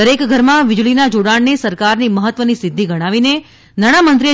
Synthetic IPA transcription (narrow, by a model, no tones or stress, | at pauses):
əɾekɡʱəɾmãʋɪd͡ʒɭinad͡ʒoɽaɳnesəɾkaɾniməɦət̪ʋənisɪd̪ʱːiɡəɽ̃aʋine | naɽ̃amənt̪ɾi